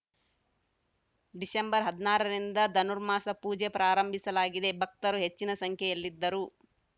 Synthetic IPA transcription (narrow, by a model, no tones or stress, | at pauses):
ɖisembɐɾɦɐd̪naːɾɐɾind̪ɐd̪ɐnuɾmaːsɐpuːd͡ʒepɾaːɾɐmbʱisɐlaːɡid̪e̞bʱɐk̚t̪ɐɾuɦe̞t͡ʃːinɐsɐŋkʰjeelːid̪ːɐɾu